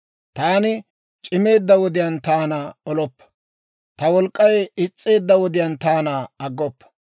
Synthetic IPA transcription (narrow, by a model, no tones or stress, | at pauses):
t̪aːnɪ | t͡ʃʼɪme̞ːd̪ːɐwɔd̪ɪjɐnt̪aːnaɔlɔpːɐ̥ | t̪ɐwɔlkʼːɐjɪt͡sʼːe̞ːd̪ːɐwɔd̪ɪjɐnt̪aːnaɐɡːɔpːɐ̥